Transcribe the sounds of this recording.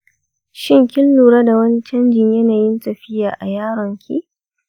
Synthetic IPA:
ʃɪ˦ŋkʲɪ˦lːuː˨ɾaː˦da˨wɐ˦ni˦t͡ʃɐ˦nd͡ʒɪ˨ɲjɐ˦naː˨jɪ˦ntɐ˨ɸɪ˦jaː˨ʔa˨jaː˦ɾɔ˨ŋkʲʰḭ˦ʔ

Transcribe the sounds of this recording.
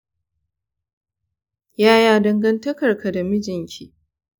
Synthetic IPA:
jaː˦jaː˦dɐ˦ŋɡɐ˦ntɐ˦kɐ˨rka˨da˨mɪ˦d͡ʒɪ˨ŋkʲiː˨

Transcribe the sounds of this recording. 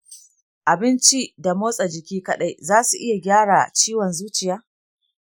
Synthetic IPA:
ʔa˨bɪ˦nt͡ʃi˦da˨moː˦sʼa˨d͡ʒɪ˨kʲiː˦kɐ˦ɗa˦jzaː˦su˨ʔɪ˦ja˨ɡʲaː˦ɽaː˨t͡ʃiː˦wɔ˨nzuː˦t͡ʃɪ˨jaː˦

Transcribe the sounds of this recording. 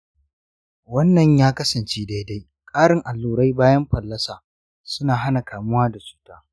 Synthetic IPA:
wɐ˦nːɐ˨ɲjaː˦kɐ˦sɐ˨nt͡ʃeː˦da˦jda˦j | kʼaː˦ɽɪ˨ŋʔa˨lːuː˨ɽa˦jbaː˦jɐ˦mɸɐ˨lːɐ˦saː˨ | sʊ˦naː˨ɦa˦na˨kaː˨mʊ˦waː˦da˨t͡ʃu̥ː˦taː˦

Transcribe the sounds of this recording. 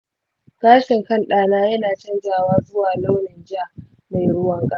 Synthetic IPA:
kaː˦ʃɪ˨ŋkɐ˦nɗaː˨naː˦jɐ˦naː˨t͡ʃɐ˦nd͡ʒaː˨waː˦zʊ˦waː˨la˦wnɪ˨nd͡ʒɪ˦a˦˨ | ma˨jɽʊ˦wɐ˦ŋkʼɐ˦a˨

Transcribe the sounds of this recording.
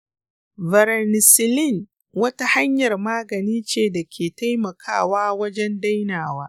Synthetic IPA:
vɐ˨ɾɛ˨nɪ˨sɪ˨lɪ˦˨n | wɐ˦ta˦ha˦ɲjɐ˨rmaː˦ɡɐ˨niː˦t͡ʃeː˦˨da˨kʲʰeː˨ta˦jmɐ˨kʰa̰ː˦waː˦wɐ˦d͡ʒɛ˦nda˦jnaː˨waː˦

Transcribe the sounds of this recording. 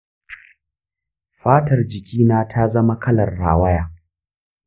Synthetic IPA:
ɸaː˦tɐ˨rd͡ʒɪ˨kʲʰiː˦naː˦tʰa˦zɐ˦ma˦kɐ˦lɐ˨rːa̰ː˨wɐ˦jaː˨

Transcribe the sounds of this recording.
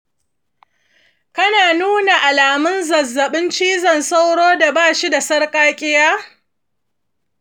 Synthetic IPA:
kɐ˦naː˨nuː˦na˨ʔa˨laː˨mʊ˦nzɐ˨zːɐ˨ɓɪ˦nt͡ʃiː˦zɐ˨nsa˦wɽoː˦da˨baː˦˨ʃi˦da˨sɐ˦rkʼaː˦kʲʼɪ˦jaː˦

